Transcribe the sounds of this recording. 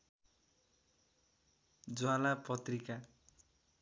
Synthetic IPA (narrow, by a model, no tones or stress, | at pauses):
d͡zwalapʌt̪rika